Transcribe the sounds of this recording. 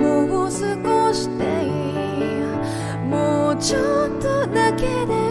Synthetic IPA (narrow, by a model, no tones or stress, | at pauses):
moɡosɨɡoɕi̥t̪e | i | a | mot͡ɕot̪od̪aked̪e